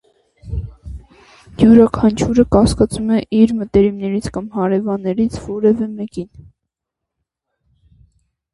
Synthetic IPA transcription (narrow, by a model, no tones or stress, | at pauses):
ɡjuɾɑkʰɑnt͡ʃʰuɾəkɑskɑt͡sumɛʔiɾmət̪ɛɾimnɛɾit͡sʰkɑmhɑɾɛvɑnːɛɾit͡sʰvɔɾɛvɛmɛkin